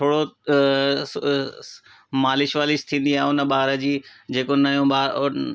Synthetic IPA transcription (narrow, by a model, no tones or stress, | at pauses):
tʰoːɽo | maːlɪʃʋaːlist̪ʰĩːn̆d̪iaːɦʊnə̆ɓaːɦɾə̆d͡ʑiːd͡ʑeːkonɐjõɓa